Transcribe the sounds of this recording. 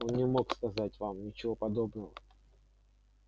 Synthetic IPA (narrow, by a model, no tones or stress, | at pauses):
onnʲɪmo̞kskɐzatʲvamnʲɪt͡ɕɪvo̞pɐd̪o̞bnəvə